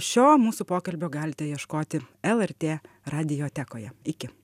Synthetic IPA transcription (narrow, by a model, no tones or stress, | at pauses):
ʃʲoːmuːsʊpoːkɐlʲbʲoːɡɑːlʲɪt̪ʲɛjiɛʃkoːt̪ʲɪɛlˠɛɾʲt̪ʲeː | ɾɑːd̪ʲɪjoːt̪ʲæːkoːjɛɪkʲɪ